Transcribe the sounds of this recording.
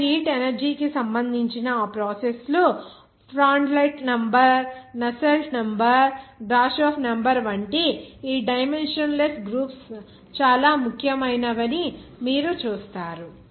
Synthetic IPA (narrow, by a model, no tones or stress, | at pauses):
ɾiːʈenɐɾd͡ʒiːkisɐmbɐnd̪ʱiɲt͡ʃinɐaːpɾɔːsesloː | pʰɾaːɳɖlɐjʈnɐmbɐɾnɐsɐlnɐmbɐɾɡɾaːʃoːpʰnɐmbɐɾʋɐɳʈeːiːɖɐjme̞nʂɐnlesʈɡɾuːps | t͡ʃaːlaːmukʰjɐmɐjnɐʋɐnimiːɾut͡ʃuːst̪aːɾu